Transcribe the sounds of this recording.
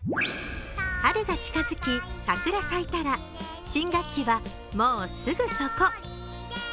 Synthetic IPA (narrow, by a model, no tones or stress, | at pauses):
haɾeɡat͡ɕi̥kazɨkʲisakɯ̟ɾasait̪aɾa | ɕĩŋɡakʲːiβa | mo̞ːsɨɡɯ̟so̞ko